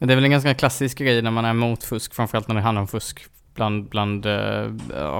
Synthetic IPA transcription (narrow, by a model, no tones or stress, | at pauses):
mɛnd̪ɛæɾvɛlɛnɡansɔk̪ːkʰlasːɪskɡɾɛjːənæɾmanæɾmuːt̪fɵskfɾamfœɾalt̪næɾɪɦanaɾɔmfɵsk | b̥land̪bland̪